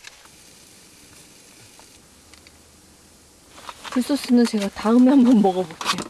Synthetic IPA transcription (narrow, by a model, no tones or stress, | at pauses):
kuɭs͈os͈ɯnɯnt͡ɕe̞ɡataɯmeambʌnmʌɡʌbop̚k͈eo